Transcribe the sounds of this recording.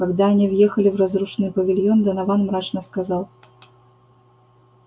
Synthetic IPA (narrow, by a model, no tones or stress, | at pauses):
kaɡd̪anʲivjɛxɐlʲivrazruʂnɨpɐvʲilʲjɔnd̪ɐnavanmɾat͡ʂnɐskazaw̪ˠ